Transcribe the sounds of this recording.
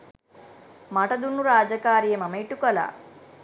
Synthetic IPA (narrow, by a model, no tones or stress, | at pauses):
mɐʈɐd̪unːuɾaːd͡ʒɐkaːɾijɐmɐmɐjʈukɐla̰ː